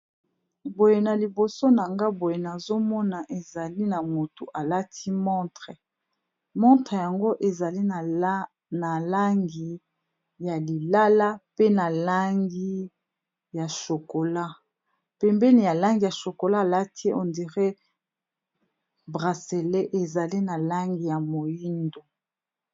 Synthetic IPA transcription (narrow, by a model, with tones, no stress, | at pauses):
bo˨je˨na˨li˨bo˨so˦na˨ŋɡa˦bo˨je˨na˨zo˦mɔ˦na˨ʔe˨za˨li˦na˨mo˨tu˨ʔa˨la˦tʰi˦mɔ˦tʁɛ˨ | mɔ˦ntʁe˨ja˨ŋɡo˦ʔe˨za˨li˦n˨ | na˨la˦ŋɡi˨ | ja˨li˨la˦la˦pe˦na˨la˦ŋɡi˦ | ja˨ʃo˨ko˨la˦ | pɛ˨mbɛ˦ni˨ja˨la˦ŋɡi˨ja˨ʃo˨ko˨laː˦˨la˦tʰi˦e˦ʔɔ˨ndi˨ʁe˦ | bʁa˨se˨le˦ʔe˨za˨li˦na˨la˦ŋɡi˨ja˨mo˨ji˦ndo˨